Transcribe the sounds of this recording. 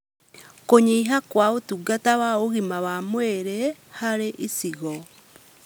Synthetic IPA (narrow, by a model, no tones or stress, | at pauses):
koɲiiɦakwaotuɡatawaoɣimawamweɾɛhaɾeʔisiɣɔ